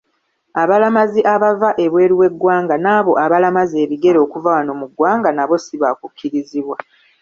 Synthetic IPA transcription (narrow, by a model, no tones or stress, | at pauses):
aβalamaziʔaβavaʔe̞βwe̞ːɾiwe̞ɡːwaːŋɡanaːβo̞ʔaβalamaze̞ːβiɡe̞ɾo̞ːkuvawano̞muɡwaːŋɡanaβo̞siβakukʲʰːiɾiziβwa